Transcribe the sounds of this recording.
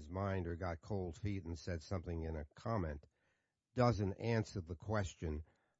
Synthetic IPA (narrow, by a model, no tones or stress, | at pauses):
zmãɪ̃ndə˞ɡɑt̚kʰoʊlˠd̥fiɾn̩sɛd̥sʌ̃mθɪ̃ŋɪ̃nɨkʰɑmɛ̃n | d̥ʌzɨ̃ntæ̃nsə˞ðəkʰw̥ɛst͡ʃɨ̃n